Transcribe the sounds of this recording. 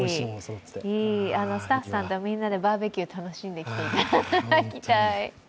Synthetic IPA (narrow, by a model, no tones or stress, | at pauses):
iːano̞sɨ̥t̪aɸːɯ̥sãnt̪o̞mʲĩnːad̪e̞baːbe̞kʲiot̪ano̞ɕĩnd̪e̞kʲi̥t̪e̞it̪akʲit̪ai